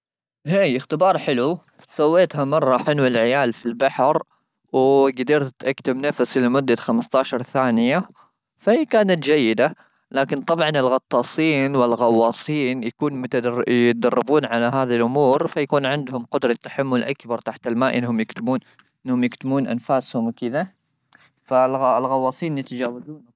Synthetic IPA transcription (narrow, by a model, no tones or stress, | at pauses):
heːɪxt̪ɪbɑːɾˤħɪlu | sawːeːt̪ɦamɑrˤːɑħɪlwɪlʕɪjaːlfilbaħɾ | wɪɡad̪ɑɾt̪t̪ʔakt̪amnafsilɪmʊd̪ːaxamst̪ɑːʃɑɾˤθaːnɪja | fahiːkaːnat̪d͡ʒajːɪd̪a | laːkɪnt̪ˤɑbʕɑnɪlɣɑt̪ˤːɑːsˤiːnwɪlɣɑwːɑːsˤiːnjakuːnmʊt̪jɪt̪̚d̪ɑrˤːɪbuːnʕalaɦaːðilʔʊmuːɾfajakuːnʕɪnd̪hʊmqʊd̪ɾˤɑt̪ːaħamːʊlʔakbɑɾˤt̪aħt̪ɪlmaːʔɪnːhʊmjɪkt̪ɪbuːn | ʔɪnːhʊmjɪkt̪ɪmuːnʔa̰nfaːshʊmwkɪd̪a | fallɣɑwːɑːsˤiːnjɪt̪ad͡ʒaːwazuːn